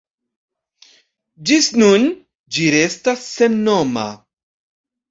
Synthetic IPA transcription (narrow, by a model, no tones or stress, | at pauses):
d͡ʒisnun | d͡ʒiɾestasːe̞nːoma̰